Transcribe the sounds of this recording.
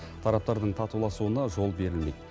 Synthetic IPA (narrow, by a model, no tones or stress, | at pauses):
t̪ʰɑɾɑp̚t̪ɑɾd̪əɴt̪ʰɑt̪ulˠɑsuənɑʒo̞lˠbe̞ɾɪlmḛd̪